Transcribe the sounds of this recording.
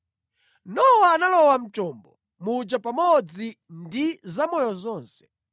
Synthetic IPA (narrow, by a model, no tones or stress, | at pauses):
nɔwaːnalɔwam̩t͡ʃɔːmbɔ | mud͡ʒapamɔd͡zindizamɔjɔzɔːnsɛ̥